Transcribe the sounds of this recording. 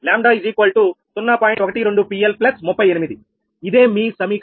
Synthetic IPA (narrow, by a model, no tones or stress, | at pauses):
laːmɖaːid͡ʒiːkʋɐlʈut̪unːaːpaːjɔkɐʈiɾe̞ɳɖupiːelplɐsmupːɐjenimid̪i | id̪e̞ːmiːsɐmiːk